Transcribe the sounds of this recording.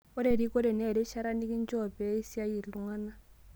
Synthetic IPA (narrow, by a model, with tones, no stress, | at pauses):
ɔ˦ɾe˨ɾi˦kɔ˦ɾɛ˨nɛ˦˨ɾɛ˦ʃa˦ɾa˦ni˦ki˦n˦t͡ʃɔ˦˨pɛ˦i˦si˦a˦ji˨lu˨ŋa˦na˦